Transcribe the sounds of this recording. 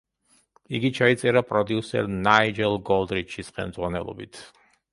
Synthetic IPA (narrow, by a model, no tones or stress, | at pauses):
iɡit͡ʃʰait̪sʼɛɾapʼɾɔd̪iusɛ̰ɾnaid͡ʒɛlˠɡɔlˠd̪ɾiʃisχɛ̰lmd̪zʁwanɛ̰lˠɔ̰bit̪ʰ